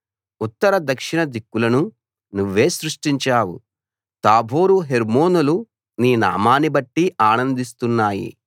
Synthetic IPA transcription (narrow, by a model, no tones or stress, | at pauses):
ut̪ːɐɾɐd̪ɐkʂiɳɐd̪ikːulɐnu | nuʋːe̞ːsɾuʂʈiɲt͡ʃaːwṵ | t̪aːbʱoːɾuɦeɾmo̞ːnulu | niːna̰ːmaːnibɐʈːiaːnɐnd̪ist̪unːaːjḭ